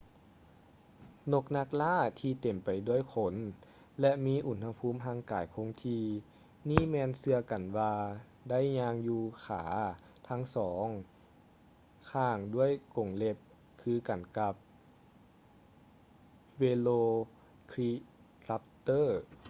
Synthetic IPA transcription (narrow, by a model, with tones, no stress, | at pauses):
no˧k̚na˧˥k̚laː˥˩t̪ʰiː˧t̪e˨˩mpa˨˩jdu˧˥˩əjkʰo˧˦n | lɛ˧miː˧˥˨ʔu˧˩nha˧pʰuː˧˥˨mɦaː˧˩ŋkaː˨˩jkʰo˧˥ŋt̪ʰiː˧ | niː˥˨mɛː˧nsɯ˧ɐka˨˩nwaː˧ | da˥˨jɲaː˧ŋjuː˧kʰaː˩˦ | t̪ʰa˦˧˥ŋsɔː˩˦ŋ | kʰaː˧˩ŋdu˥˩əjko˨˩ŋle˧˥p̚ | kʰɯː˧ka˨˩nka˧p̚ | weː˧loː˧ | kʰɾi˧ | ɾa˧p̚t̪ɤː˥˩